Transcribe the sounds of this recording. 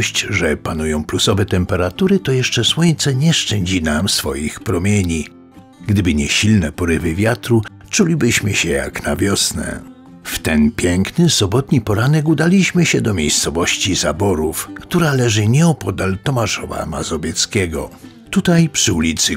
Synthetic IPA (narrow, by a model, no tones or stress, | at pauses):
ɕt͡ɕʐɛpanujɔ̃w̃plusɔvɛt̪ɛmpɛɾat̪uɾɘt̪ɔjɛʂt͡ʂɛswɔɲt̪sɛɲɛʂt͡ʂɛɲd͡ʑinamsfɔ̰jixpɾɔmʲjeɲi | ɡd̪ɘbɘɲɛɕilnɛpɔɾɘvɘvʲjat̪ɾu | t͡ʂulʲibɘɕmɘɕɛja̰knavʲjɔsnɛ̰ | ft̪ɛnpʲjɛŋknɘsɔbɔt̪ɲipɔɾanɛkud̪alʲiɕmɘɕɛd̪ɔmʲjejst̪sɔvɔɕt͡ɕizabɔɾufkt̪uɾalɛʐɘɲɛɔpɔd̪alt̪ɔmaʂɔva̰ma̰zɔvʲjɛt̪skʲɛɡɔ̰ | t̪ut̪ajpʂɘulʲit̪sɘ